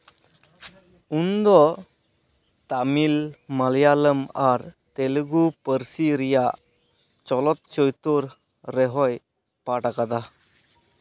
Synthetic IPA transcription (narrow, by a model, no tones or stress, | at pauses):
und̪ɔ | t̪amilmaljaləmaɾ | t̪elɡupəɾsiɾijaʔ | t͡ʃɔlɔt̪̚t͡ʃɔjt̪ɔɾː | ɛɦɔj | paʈakad̪a